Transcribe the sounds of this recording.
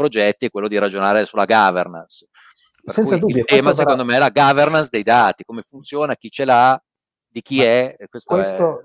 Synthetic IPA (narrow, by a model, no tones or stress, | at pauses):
pɾod͡ʒɛt̪ːiɛkwelːod̪iɾad͡ʒonaːɾesulaɡaverna̰ns | perkɛnusad̪uiljt̪ɛːmasekond̪omeɛlaɡavernansd̪ejd̪aːt̪ikomefunt̪sjoːnak̟it͡ʃela | d̪ik̟iɛkwest̪oeɛso